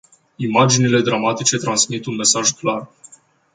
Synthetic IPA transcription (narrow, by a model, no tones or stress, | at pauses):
imad͡ʒinile̞d̪ɾamat̪it͡ʃe̞t̪ɾansmit̪unme̞saʒklar